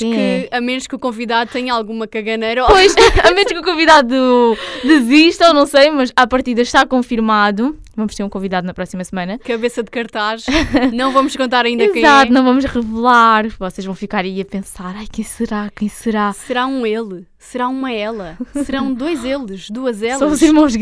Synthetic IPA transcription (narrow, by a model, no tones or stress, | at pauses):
kɨɛɐmenuʃkukõviðaðut̪ɐɲɐalˠɣumɐkɐɣɐnejɾɐpojʃɐmenuʃkukõviðaðud̪ɨziʃt̪ɐonɐ̃w̃sɐjmɐʃapɐɾt̪iðɐʃt̪akõfiɾmaðu | vɐmʊʃt̪eɾũkõviðaðunɐpɾɔsimɐsmɐ̃nɐkɐβesɐd̪kɐɾt̪aʃnɐ̃w̃vɐmʊʃkõnt̪aɾɐĩnd̪ɐikɐ̃zat̪unɐ̃w̃vɐmuʃʁɨvɨlˠaɾvɔseʒvɐ̃w̃fikaɾɐiɐpẽsaɾajkɐ̃j̃sɨɾakɐ̃j̃sɨɾasɨɾaũelˠ | sɨɾaumɐɛlˠɐsɨɾɐ̃w̃d̪ojzelˠɨʃd̪uɐzɛlˠɐ̃uziɾmɐ̃w̃ʒ